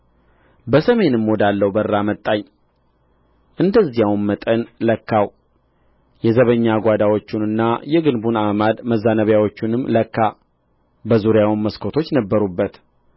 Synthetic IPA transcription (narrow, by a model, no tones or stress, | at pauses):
bəsəme̞nɨmːod̪alːəwbərːamət̪ʼːaɲː | ʔɨnd̪əzːijawnmət̪ʼənləkːaw | jɛzəβəɲːaɡʷad̪awo̞t͡ʃːunɨnːajɛɡɨnbunamad̪məzːanəβjawo̞t͡ʃːunɨmːləkːa | bəzuɾjawnməskʰot̪ʰo̞t͡ʃːnəbːəɾubːət̪